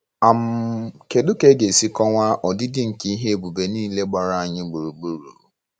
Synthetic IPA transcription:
a˨m̩˦ke˨dʊ˦ke˦ɡe˨si˦kɔ˦ŋʷa˦ʔɔ˨dɪ˦dɪ˦ŋ̩˨ki˦i˦ɦe˦bu˨be˨niː˦le˦ɡ͡ba˨ɾa˨a˨ɲɪ˦ɡ͡bu˨ɾu˨ɡ͡bu˦ɾṵ˨

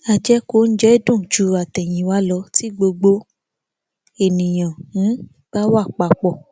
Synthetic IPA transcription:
a˧˨d͡ʒɛ˦ko˧˦n̩˦d͡ʒɛ˦dũ˦˨d͡ʒu˨˦a˨tɛ˨j̃ĩ˨˦wa˦lɔ˧˦ti˦ɡ͡bo˧ɡ͡bo˧˦ | e˨nĩ˨j̃ã˨˦ | b̥a˦wa˦˨k͡pa˧˦k͡pɔ˦˨

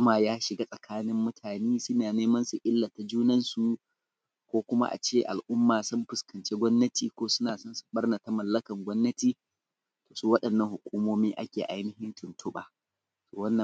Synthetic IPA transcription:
maː˨jaː˦ʃɪ˨ɡa˦sʼɐ˨kʰaː˦nɪ˦mːʊ˦tʰaː˨neː˦sʊ˦naː˨neː˦mɐ˦nsu˨ʔɪ˦lːa˨ta˨d͡ʒuː˦nɐ˦nsu˨ | kʷoː˦kʷʊ˦ma̰˦ʔa̰˨t͡ʃeː˦ʔa̰˨lʔʊ˦mːaː˨sʊ˦mɸʊ˨skɐ˨nt͡ʃe˦ɡʷɔ˦mnɐ˦tiː˨kʷoː˦sʊ˦naː˨sɐ˦nsu̥˨ɓɐ˦rna˨ta˦mɐ˨lːɐ˦kɐ˨ŋɡʷɔ˦mːɐ˦tiː˨ | toː˨suː˦wɐ˦ɗɐ˨nːɐ˨ŋhʊ˨kʷuː˦moː˦miː˦ʔa̰˦kʲeː˨ʔa˦jnɪ˦hɪ˦ntʊ˨ntʰʊ˦ɓa̰ː˨ | soː˨wɐ˦nːɐ˨

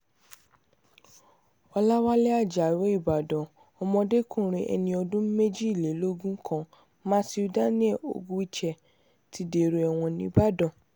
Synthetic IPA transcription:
wa˧la˦wa˦lɛ˦a˦˨d͡ʒa˨we˨˦i˦˨ba˨dɔ̃˨ | ɔ˧mɔ̃˧de˦kũ˦˨ɾ̃ĩ˧ʔɛ̰˧nĩ˧ɔ˧dũ˦me˦d͡ʒi˦i˦˨le˨˦lo˦ɡũ˦kʰã˦ | mã˦si˧u˧da˦nĩ˦ɛ˦˨o̰˨ɡũ˦i˦t͡ʃɛ˨ | ti˧˦de˨ɾo˨ɛ˨w̃ɔ̃˧nĩ˧ba˦dɔ̃˨

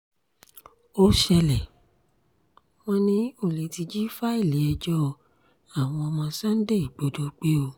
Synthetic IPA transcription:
o˦ʃɛ˧lɛ˨ | w̃ɔ̃˧nĩ˧˦o˦˨le˨˦ti˧d͡ʒi˦fa˦i˦˨li˨˦ɛ˧d͡ʒɔ˦˧ | a˦˨w̃ɔ̃˧ɔ˧mɔ̃˧sa˦n̩˦de˦i˨ɡ͡bo˨˦do˧˦k͡pe˦o˧

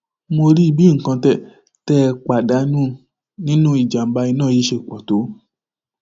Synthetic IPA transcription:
mo˧ɾi˦˧˨bi˨˦ŋ̩˨kã˧tɛ˦˨ | tɛ˦˧k͡pa˨da˨˦nũ˦˨ | nĩ˦nũ˦i˦˨d͡ʒa˨m̩˦ba˧i˧nãː˦˨i˨˦ʃe˧˨k͡pɔ˨to˨˦

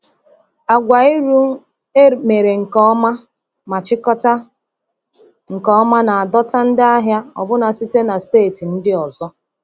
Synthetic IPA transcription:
a˨ɡʷa˨i˦ɾu˦ | e˦me˨ɾe˨ŋ̩˨kɔ˦ma˦ | ma˨t͡ʃɪ˦kɔ˦ta˦ | ŋ̩˨kɔ˨˦ɔ˦ma˦na˨a˨dɔ˦ta˦n̩˦dɪ˦a˦ɦja˦ɔ̰˨bʊ˦na˨si˦te˦na˨steː˦˨ti˨n̩˦dɪ˦ɔ˨zɔ˦

